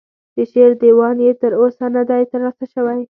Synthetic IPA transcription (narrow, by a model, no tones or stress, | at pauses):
d̪̥əʃeɾd̪ewɑnjet̪əɾosanad̪ajt̪əɾlɑsaʃəwaj